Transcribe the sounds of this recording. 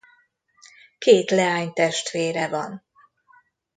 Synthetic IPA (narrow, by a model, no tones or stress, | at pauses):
keːt̪lɛaːɲt̪ɛʃt̪ʋeːɾɛvɒn